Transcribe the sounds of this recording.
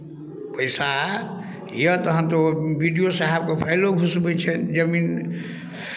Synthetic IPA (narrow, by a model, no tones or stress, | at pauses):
pəjsa | jət̪əɦənt̪obiɖijosaɦab̚kepʰajloɡʱusbɛt͡ʃʰɛnd͡ʒəmin